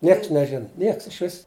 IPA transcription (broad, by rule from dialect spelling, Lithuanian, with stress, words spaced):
ˈnʲiɛks nʲɛˈʒʲɪn ˈnʲiɛks ɪʃʲˈʋʲɪs